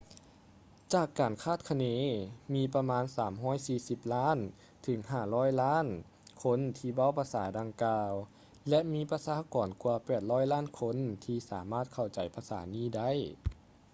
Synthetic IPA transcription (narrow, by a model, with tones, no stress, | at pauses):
t͡ɕaː˧˩kːaː˨˩nkʰaː˥˩t̪̚kʰa˧neː˧˥miː˧pa˧maː˧˥nsaː˩˦mɦɔː˧˥˩jsiː˧˩si˧˦p̚laː˥˨n | t̪ʰɯ˨˩˦ŋɦaː˧˩lɔː˥˨jlaː˥˨n | kʰo˧˥˨nt̪ʰiː˧˩wa˧˥˨wpʰaː˧saː˨˩˦jda˧ŋkaː˧w | lɛ˧ʔmiː˧˥pa˧saː˧˦kɔː˨˩nkwu˧pɛː˨˩t̪̚lɔː˧˥˨jlaː˥˨nkʰo˧˥˨nt̪ʰiː˧saː˨˩˦maː˥˩t̪̚kʰa˧˩wt͡ɕa˨˩jpʰaː˧sa̰ː˩˦niː˧˥˩da˥˩˨j